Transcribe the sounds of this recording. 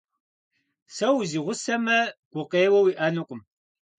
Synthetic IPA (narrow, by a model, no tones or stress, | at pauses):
sɐwziːʁʷʊsɐmɐɡ̥ʷʊqeːwɐwiʔɐnɨqʷʊm